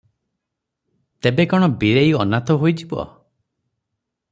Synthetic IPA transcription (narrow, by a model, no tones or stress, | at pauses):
t̪ebekɔɽ̃ɔbiɾejɔnat̪ɔɦojd͡ʒibɔ̰